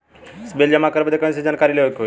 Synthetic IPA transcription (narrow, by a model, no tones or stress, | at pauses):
sbeld͡ʑamakəɾbəd̪ʱekə̃ĩsed͡ʑankaɾileʋəkiɦo